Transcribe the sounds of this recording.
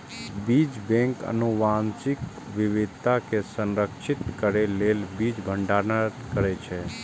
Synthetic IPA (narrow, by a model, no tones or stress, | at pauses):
bid͡ʒbɛ̃ŋkə̰nuʋansik | ʋiʋɪd̪ʱt̪akesə̃nɾəkʃʰɪt̪kəɾelelbid͡ʒbʱəɳɖaɾnət̪kəɾɛt͡ʃʰɛ